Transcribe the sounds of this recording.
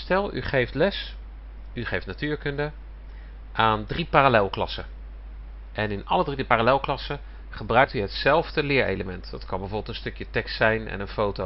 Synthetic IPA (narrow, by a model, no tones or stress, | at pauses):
stɛlˠy̰χejftlɛs | yχejftnatyːɹkɵndə | ʔaːndripaːralɛlˠklɑsə | ʔɛnɪnɑ̰lədripaːralɛlˠklɑsə | χəbrœɥk̚tyɦətsɛlˠvdəlɪːɹḛjləmɛntdɑtkɑnbɛvoːbɪlˠtənstɵkjətɛkstsɛjnɛ̰nənfowto